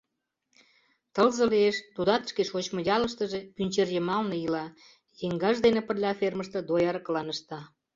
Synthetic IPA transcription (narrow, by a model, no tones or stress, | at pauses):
t̪ə̆lzə̆lieʃt̪ud̪ɑt̪ə̥̆ʃkeʃot͡ɕmə̆jɑlə̆ʃt̪ə̆ʒepynʲt͡ɕerjəmɑlnejilɑ | jeŋɡɑʒd̪enepərlʲɑfʲerməʃt̪ɤ̆d̪ojɑɾəklɑnəʃt̪ɑ